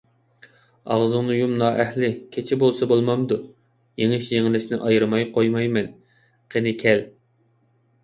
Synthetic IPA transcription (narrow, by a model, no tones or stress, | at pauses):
ɑ̰ʁzɨŋnɨjumnɑːʔɛhlɪkʲʰet͡ʃʰɪbolˠsɑbolˠmɑmd̪u | jeŋɪʃjeŋɪlɪʃnɪʔɑjɾɨmɑjqʰojmɑjmɛn | qʰenɪkʲʰɛl